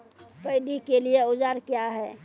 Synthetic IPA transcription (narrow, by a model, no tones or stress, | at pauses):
pəɪd̪ikelieod͡ʒaɾkjaɦɛ